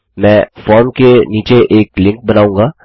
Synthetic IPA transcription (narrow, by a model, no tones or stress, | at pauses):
mɛ̃ːfɔːɾmkeniːt͡ʃeʔeːklɪ̃ŋk̚bɐnaːũːŋɡaː